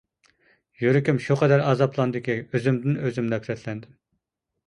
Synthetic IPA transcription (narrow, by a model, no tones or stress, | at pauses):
jyɾɪkʲymʃuqʰɛd̪æɾɑːzɑpʰlˠɑnd̪ɪkʲiøzymd̪ɪnøzymd̪ɛkʰyɾɛt̪ʰlɛnd̪ɪm